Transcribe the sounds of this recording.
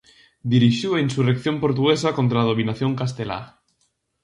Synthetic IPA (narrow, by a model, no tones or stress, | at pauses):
d̪iɾiʃjuainsurekθjo̞mpo̞ɾt̪uɣesako̞nt̪ɾaaðoβinaθjõ̞ŋkast̪ela̰